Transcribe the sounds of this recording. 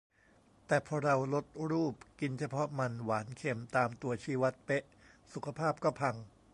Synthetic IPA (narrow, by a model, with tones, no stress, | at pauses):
t̪ɛː˨˩pʰɔː˧ɾa˧wlo˦˥t̪̚ɾuː˥˩p̚ki˧nt͡ɕʰa˧pʰɔ˦˥ma˧nwaː˩˦nkʰe˧mt̪aː˧mt̪u˧ɐt͡ɕʰiː˦˥wa˦˥t̪̚pe˦˥ʔ | su˨˩kʰa˧pʰaː˥˩p̚kɔː˥˩pʰa˧ŋ